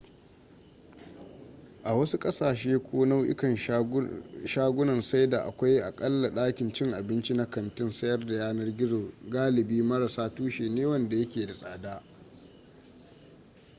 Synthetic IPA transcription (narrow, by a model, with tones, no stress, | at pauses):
ʔa˨wɐ˦su˦kʼɐ˦saː˨ʃeː˦kʷoː˦na˦wʔɪ̰˦kɐ˨n | ʃaː˦ɡʷʊ˦nɐ˨nsa˦jda˨ʔa̰˨kʷa˦jʔa˨kʼɐ˦lːa˨ɗaː˦kʲɪ˨nt͡ʃɪ˦ŋʔa˨bɪ˦nt͡ʃi˦na˦kɐ˨ntɪ˦nsɐ˦jɐ˦rda˨jaː˦nɐ˦rɡʲɪ˦zoː˨ɡaː˦lɪ˨biː˦mɐ˦ɾa˨saː˦tuː˦ʃeː˨neː˦wɐ˦nda˨jɐ˦kʲeː˨da˨sʼa̰ː˨daː˦ʔ